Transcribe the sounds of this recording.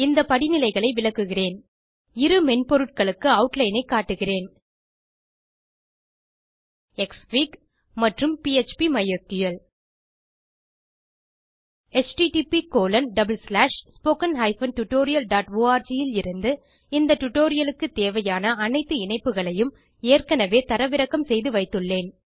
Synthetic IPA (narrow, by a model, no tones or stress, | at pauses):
ɪnd̪ɐpɐɽɪnɪlɐɪɣɐɭɐɪʋɪlɐkːɯɣɪreːn | ɪɾɯmɛnpɔɾɯʈ̚kɐɭɯkːɯɐʊʈlɐɪnɐɪkːaːʈːɯɣɪreːn | ɛkspiːk | mɐʈrɯmpiɛt͡ʃpimɐjɐɾt̪ijɐl | ɛt͡ʃʈiʈiːpikoːlɐnɖɐbɯlslaːʂspoːkɐnɦɐɪfɐnʈʊʈːoːɾɪjɐlɖaːʈʋoːaːɾd͡ʒijɪlɪɾɯnd̪ɯ | ɪnd̪ɐʈʊʈːoːɾɪjɐlɯkːɯt̪ːeːʋɐjaːnɐːnɐɪt̪ːɯɪɳɐɪpːɯɣɐɭɐjɯm | eːrkɐnɐʋeːt̪ɐɾɐʋɪɾɐkːɐmsɛjðɯʋɐɪt̪ːɯɭːeːn